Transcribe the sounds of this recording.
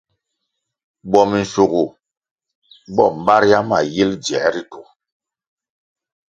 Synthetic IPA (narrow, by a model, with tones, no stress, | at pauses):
ɓɔ˨mi˨n̩˨su˨ɡu˨ | ɓɔ˦˨m̩˨ba˦ɾja˦ma˨ji˦ld͡ʒɛ̰˨˦ɾi˦tu˨